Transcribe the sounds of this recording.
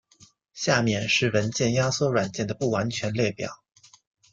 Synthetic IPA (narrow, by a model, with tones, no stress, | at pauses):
ɕja˥˧mjɛ˥˩nʂɻ̩˥˩wə˧˥nt͡ɕjɛ˥˩nja˥swɔ˥ɻwa˨˩nt͡ɕjɛ˥˩nd̪ə˩pu˥˩wa˧˥nt͡ɕʰɥɛ˧˥nljɛ˥˩pjɑ̰˨˩˦ʊ